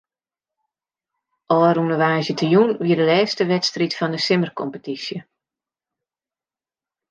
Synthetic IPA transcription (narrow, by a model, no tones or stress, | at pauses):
ʔɔːɾunəʋaːzjətʰəjunʋiədəlɛːstəʋɛtstritfɔndəsɪmərkʰɔmpətisjə